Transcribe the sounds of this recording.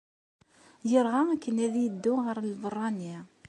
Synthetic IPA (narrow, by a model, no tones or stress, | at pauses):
jəɾʁaækːənæðjəd̪ːʊʁəɾˤlvərˤːɑni